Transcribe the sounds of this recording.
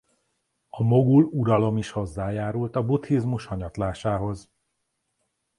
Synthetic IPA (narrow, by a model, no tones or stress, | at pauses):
ɒmo̞ɡuluɾɒlo̞miʃho̞zːaːjaːɾult̪ɒbut̪hizmuʃhɒɲɒt̪laːʃaːɦo̞z